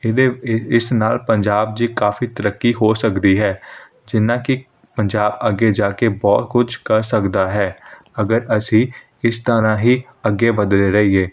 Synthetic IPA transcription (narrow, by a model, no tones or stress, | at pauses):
ɪd̪eɪsnaːlpəɲd͡ʒaːb̚d͡ʒiːkaːfiːt̪əɾəkːiːɦoːsəkd̪iːɦɛː | d͡ʒɪnãːkɪ | pəɲd͡ʒaːbəɡːeːd͡ʒaːkeːbɔːt̪̚kʊd͡ʒʰkəɾsəkd̪aːɦɛː | əɡəɾəsĩː | ɪst̪əɾãːɦiː | əɡːeːʋəd̪leːɾəɦiːeː